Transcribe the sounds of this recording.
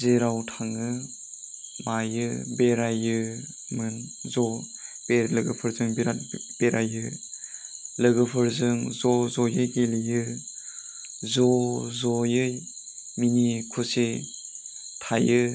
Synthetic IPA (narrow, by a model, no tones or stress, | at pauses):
zeɾawtʰaŋɯ | majɯbeɾajɯ | mɯn | zɔ | b̥elɯɡɯpʰɯɾzɯŋbiɾatb̥eɾajɯ | lɯɡɯpʰɯɾzɯŋzɔzɔjɯjɡelijɯ | zɔzɔjɯj | minikʰɔse | tʰajɯ